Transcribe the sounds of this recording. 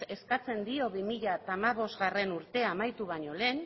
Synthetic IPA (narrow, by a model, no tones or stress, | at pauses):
e̞skat͡se̞nd̪io̞βimiʎat̪amaβ̞o̞zɣare̞nuɾt̪e̞amajt̪uβaɲo̞le̞ːn